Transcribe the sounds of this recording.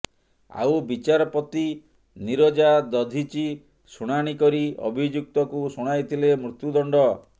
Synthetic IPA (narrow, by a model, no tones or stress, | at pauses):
a̰wbit͡ʃaɾɔpɔt̪i | niɾod͡ʒad̪ɔd̪ʱit͡ʃi | suɽ̃aɽ̃ikɔɾiɔ̰bʱid͡ʒuk̚t̪ɔkusuɽ̃ajt̪ʰilemɾut̪jud̪ɔɳɖɔ